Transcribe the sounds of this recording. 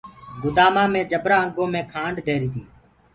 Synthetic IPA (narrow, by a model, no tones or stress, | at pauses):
ɡʊd̪aːmãːmẽːd͡ʒəbɾaːəŋɡõːmẽːkʰaːɳɖd̪ʱeːɾiːt̪iː